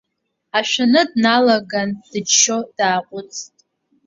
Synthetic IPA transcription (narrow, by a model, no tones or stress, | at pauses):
aʃᶣanɨdnalaɡand̥ɨd͡ʒʃo̞d̥aːqʷʼʊt͡sʰʼtʼ